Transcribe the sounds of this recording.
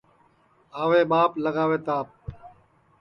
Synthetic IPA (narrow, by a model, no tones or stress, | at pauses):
aːʋeːɓaːpləɡaːʋeːt̪aːp̚